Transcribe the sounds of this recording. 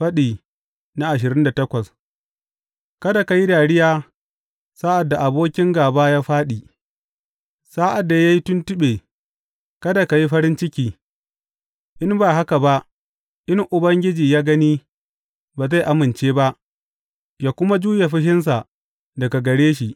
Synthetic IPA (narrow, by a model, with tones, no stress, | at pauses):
ɸɐ˦ɗiː˨ | na˦ʔa˨ʃ̬ɪ˨ɾɪ˦nda˨tɐ˦kʷɐ˨s | kɐ˦da˨ka˨ji˦daː˨ɽɪ˦jaː˦ | saː˦ʔa˨dːa˨ʔa˨boː˦kʲɪ˦ŋɡaː˨baː˦jaː˦ɸaː˦ɗiː˨ | saː˦ʔa˨dːa˨ja˦ji˦tʊ˦ntʊ˦ɓeː˨ | kɐ˦da˨ka˨ji˦ɸɐ˦ɾɪ˦nt͡ʃɪ˦kʲiː˨ | ʔɪ˦mbaː˨ɦa˦ka˨ba˦ʔ | ʔɪ˦ŋʔʊ˨bɐ˦ŋɡʲɪ˦d͡ʒiː˨jaː˦ɡɐ˦niː˦ | baː˨za˦˨jʔa˨mɪ˨nt͡ʃeː˦ba˦ʔ | jaː˨kʷʊ˦ma˦d͡ʒuː˦je˨ɸɪ˦ɦɪ˦ns̬a˨ | dɐ˨ka˨ɡɐ˨ɽeː˦ʃi˨